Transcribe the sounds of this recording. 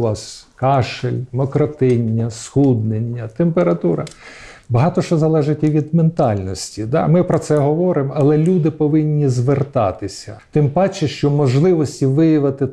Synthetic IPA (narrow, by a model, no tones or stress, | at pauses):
ɑskɑʃelʲmɔkɾɔt̪ɪnʲːɐsxud̪nenʲːɐt̪empeɾɐt̪uɾɐ | bɐɦɑt̪ɔʃɔzɐlˠɛʒɪtʲiʋʲid̪ment̪ɑlʲnɔsʲtʲid̪ɑ̰mɪpɾɔt̪sɛɦɔʋɔɾɪmɐlˠɛlʲud̪ɪpɔʋɪnʲːizʋert̪ɑt̪ɪsʲɐ̰t̪ɪmpɑt͡ʃɪʃt͡ʃɔmɔʒlˠɪʋɔsʲtʲiʋɪjɐʋɐt̪ɪ